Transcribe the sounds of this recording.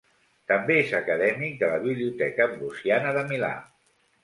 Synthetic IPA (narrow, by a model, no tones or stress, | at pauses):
t̪əmbeezəkəðɛmik̚d̪ələβ̞iβliut̪ɛkəmbusianəðəmila̰